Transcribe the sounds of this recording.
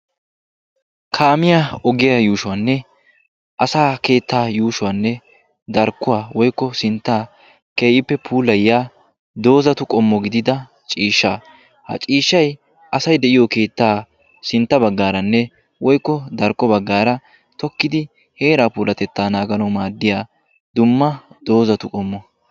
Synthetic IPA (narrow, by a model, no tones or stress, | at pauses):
kʰaːmɪjaɔɡɪjajuːʃʊwanːɛ | ʔɐsaːke̞ːt̪ːaːjuːʃʊwanːɛ | d̪ɐɾkːʊwaːwɔjkːɔsɪnt̪ːaː | keːʔɪpːɛpʰuːlɐjɪjaː | d̪o̞ːzɐt̪ʊkʼɔmːɔɡɪd̪ɪd̪ɐ | t͡ʃʼiːʃːaː | hɐ̰t͡ʃʼiːʃːɐj | ʔɐsɐjd̪ɛʔɪjɔke̞ːt̪ːaː | sɪnt̪ːɐbɐɡːaːɾɐnːɛ | wɔjkːɔd̪ɐɾkʼːɔbɐɡːaːɾɐ | t̪ɔkːɪd̪ɪ | heːɾaːpuːlɐt̪ɛt̪ːaːnaːɡɐnɐwmaːd̪ːɪjaː | d̪ʊmːɐd̪̥o̞ːzɐt̪ʊkʼɔmːɔ